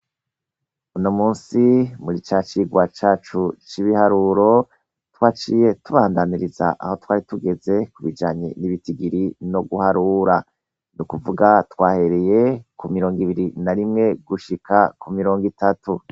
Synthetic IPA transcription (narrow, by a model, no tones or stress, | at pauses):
unomuːnsimuɾit͡ʃat͡ʃiːɡwat͡ʃaːt͡ʃut͡ʃiβihaɾuːɾo̞ | twaːt͡ʃije̞tuβaːndaniɾiza̰ʔa̰ho̞twaːɾituɡe̞ze̞kuβid͡ʒaːɲeniβitiɡiɾino̞ɡuhaɾuɾa | nukuvuɡatwaːhe̞ɾeje̞kumiɾo̞ːŋɡiβiɾinaɾimŋe̞ɡuʃikʰakumiɾo̞ːŋɡitatu